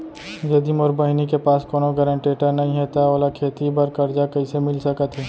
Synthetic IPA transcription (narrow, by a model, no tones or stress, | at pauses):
ɡed̪imɔːɾbɐɦnikepaːskoːnoɡəɾə̃ɳʈeːʈəɾnɐɦĩɦɛt̪aɔːlakʰeːt̪ibɐɾkɐɾd͡ʒakɐisemɪlsɐkət̪ɦɛː